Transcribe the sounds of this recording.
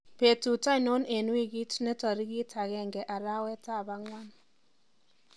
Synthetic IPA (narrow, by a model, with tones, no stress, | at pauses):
pe˨tu˨ta˦ɪ˨no˦ne˨nwi˦ɣi˦tnɛ˦tɔ˨ɾi˦ɡi˦tʰa˨ɣɛ˦ŋɡɛ˨ʔa˨ɾa˦wɛ˦ta˦˨ba˦ŋwa˦n